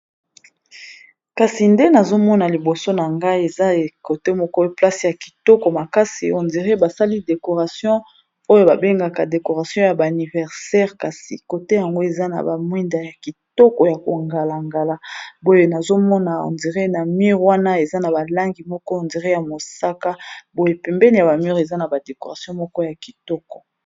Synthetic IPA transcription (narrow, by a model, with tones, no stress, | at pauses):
ka˨si˨nde˦na˨zo˦mɔ˦na˨li˨bo˨so˦na˨ŋɡa˦i˦e˨za˦e˨ko˨te˦mɔ˦kɔ˦pla˦si˨ja˨ki̥˨tɔ˦kɔ˨ma˨ka˦si˨o˨ndi˨ʁe˦ba˨sa˦li˦de˨ko˨ʁa˨sjɔ̃˦ | o˦jo˦ba˨be˦ŋɡa˨ka˨de˨ko˨ʁa˨sjɔ̃˦ja˨ba˨ni˨vɛ˨ʁsɛ˦ʁka˨sḭ˨ko˨te˦ja˨ŋɡo˦e˨za˦na̰˨ba˨mwi˦nda˨ja˨ki˨tɔ˦kɔ˨ja˨ko˨ŋɡa˨la˨ŋɡa˨la˦bo˦je˦na˨zo˦mɔ˦na˨o̰˨ndi˨ʁe˦na˨mi˦ʁwa˦na˦e˨za˦na˨ba˨la˦ŋɡi˨mɔ˦kɔ˦o˨ndi˨ʁe˦ja˨mo˨sa˦ka˦bo˦je˦pɛ˨mbɛ˦ni˨ja˨ba˨mi˦ʁe˨za˦na˨ba˨de˨ko˨ʁa˨sjɔ̃˦mɔ˦kɔ˦ja˨ki̥˨tɔ˦kɔ̥˨